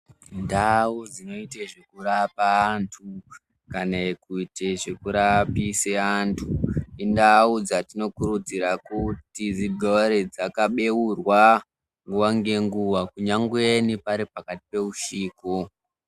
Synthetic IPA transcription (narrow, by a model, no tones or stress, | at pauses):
ndaud͡zino̞iteʐe̞kurapaːntʰu | kanakuiteʐekuɾapiseantʰuindaud͡zatino̞kuɾud͡ziɾakutid͡ziɡʱoaɾe̞d͡zakaɓe̞wurwa | ŋɡuwaŋɡe̞ŋɡuwakuɲaŋɡwenipaɾipakati̥pe̞uʃiːko